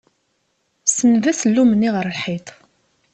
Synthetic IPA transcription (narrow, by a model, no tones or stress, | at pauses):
sənðæsəlːumənːiʁəɾlħit̪ˤ